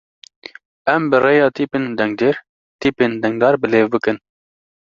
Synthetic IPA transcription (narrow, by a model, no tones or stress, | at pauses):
ɛmbɨrejɑːt̪ʰiːpeːnd̪ɛŋɡd̪eːɾ | t̪iːpeːnd̪ɛŋɡd̪ɑːɾbɨleːvbɨkɨn